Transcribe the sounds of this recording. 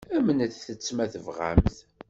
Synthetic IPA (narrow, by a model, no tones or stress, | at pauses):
æmənəθθət͡sːmæθəvʁa̰mθ